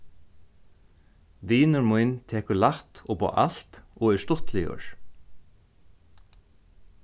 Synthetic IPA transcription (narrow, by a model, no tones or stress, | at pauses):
ʋiːnʊɾmujnt̪ʰɛːkʏlaht̪ɔpɔ̰ːʔa̰lt̪ɔɛst̪ʊht̪lɪʊ̰ɹ